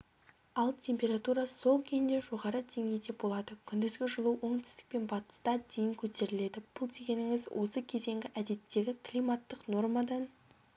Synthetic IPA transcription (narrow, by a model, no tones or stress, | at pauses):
ɑlˠt̪ʲʰe̞mpʲe̞ɾat̪uɾɑso̞lˠkʲʰejnd̪e̞ʒo̞ʁɑɾəd̪e̞ŋɡʲe̞jd̪e̞bo̞lˠɑd̪əkʲʰʏnd̪ɪzɡʲɪʒəlˠuwo̞ŋt̪ʰɪ̥zd̪ɪ̥k̚pe̞nbɑt̪ə̥st̪ɑd̪ejɪŋkʲʰɵt̪e̞ɾɪle̞d̪ɪb̥ʊlˠd̪e̞ɡʲe̞nɪŋɪzwʔo̞səkʲʰe̞ze̞ŋɡʲɪʔæd̪e̞t̪ːe̞ɡʲɪkʰlʲijmɑt̪ːəqno̞rmɑd̪ɑn